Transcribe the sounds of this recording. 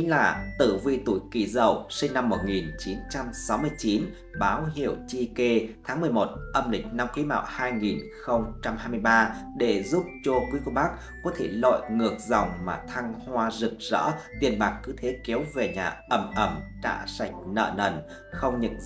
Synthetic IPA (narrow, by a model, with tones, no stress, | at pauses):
ŋ̟laː˨˩t̪ɨ˧˩vḭ˧˨t̪u˧˩jki˧˩zə˨˩wsi˧ŋna˧mːo˨˩t̚ŋi˨˩nt͡ɕi˨˦nt͡ɕa˧msa˨˦wmɨ˧əjt͡ɕi˨˦n | ɓaː˨˦wɦḭ˧˨əwt͡ɕi˧ke˧t̪ʰaː˨˦ŋmɨ˨˩əjmo˨˩t̚ʔə˧mlï˨˩k̟̚na˧mkwi˨˦ma̰ː˧˨whaː˧jŋi˨˩nxə˧wŋ͡mt͡ɕa˧mhaː˧jmɨ˧jɓaː˧ɗe˧˩zu˦˥p̚t͡ɕo˧kwi˨˦ko˧ɓa˦˥k̚ | kːɔ˨˦t̪ʰe˧˩lɔ̰˧˨jŋɨ˨˩ək̚za˨˩wŋ͡mmaː˨˩t̪ʰa˧ŋhwaː˧zɨ˨˩k̚zə̰ː˧˥t̪i˨˩ənɓaː˨˩kːɨ˨˦t̪ʰe˨˦ki˨˦əwve˨˩ɲaː˨˩ʔə˧˩mʔə˧˩mɗa̰ː˧˩sa˧˩jk̟̚nə̰ː˧˨nə̰˧˩n | xə˧wŋ͡mɲə̰˧˨n